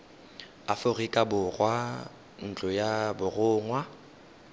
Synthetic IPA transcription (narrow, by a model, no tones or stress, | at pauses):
afʊrikʼabʊrwa | n̩t͡ɬʼʊjabʊrʊːŋwa